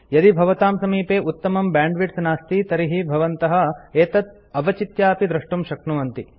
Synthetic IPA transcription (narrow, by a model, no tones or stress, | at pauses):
jɐd̪ibʱɐʋɐt̪aːmsɐmiːpeːʔut̪ːɐmɐmbaːɳɖʋiʈsnaːst̪it̪ɐɾiɦibʱɐʋɐnt̪ɐɦɐ̆eːt̪ɐt̪̚ | ɐʋɐt͡ʃit̪jaːpid̪ɾɐʂʈumʃɐknuʋɐnt̪i